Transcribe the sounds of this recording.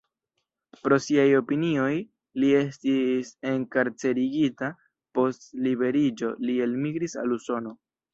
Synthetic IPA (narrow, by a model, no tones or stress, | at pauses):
pɾo̞siajo̞pinio̞j | lie̞stise̞ŋkaɾt͡se̞ɾiɡita | po̞stlibe̞ɾid͡ʒo̞lie̞lmiɡɾisa̰luso̞no̞